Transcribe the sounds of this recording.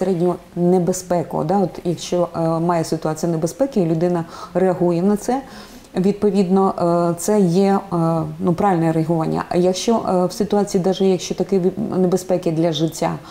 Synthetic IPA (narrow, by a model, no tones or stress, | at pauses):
seɾɛdʲnʲʊɦɔ | nebespɛkɔ̰ɔ̰d̪ɑɔt̪jɐkʃt͡ʃɔmɑjɛsɪt̪ʊɑt͡sʲijnebespɛkɪilʲʊd̪ɪnɐreɐɦujɛnɐt̪sɛ | ʋʲid̪̚pɔʋʲid̪nɔt̪sɛjɛ | nupɾɑʋʲɪlʲnɛɾeɐɦʊʋɑnʲːɐ̰jɐkʃt͡ʃɔwsɪt̪ʊɑt͡sʲijid̪ɑʒɛjɐkʃt͡ʃɔt̪ɐkɪnebespɛkɪd̪lʲɐʒɪtʲːa̰